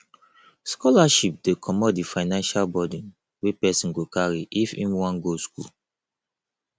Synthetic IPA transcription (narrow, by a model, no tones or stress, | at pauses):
skɔlaʃip̚dekʰɔmɔt̚difaɪnãnʃalbɔdĩn | wepɛsĩnɡokaɹiʔifḭ̃mwãnɡoskṵl